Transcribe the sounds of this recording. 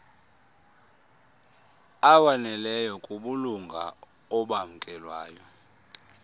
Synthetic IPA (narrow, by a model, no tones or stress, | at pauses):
awanɛlɛjɔkʼuɓuluŋɡʱa̰ | ɔɓam̩kʼɛlwaːjɔ